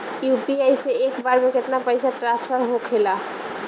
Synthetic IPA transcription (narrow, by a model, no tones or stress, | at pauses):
jupiajseekbaɾmeket̪napəjsaʈɾãspʰəɾɦokʰela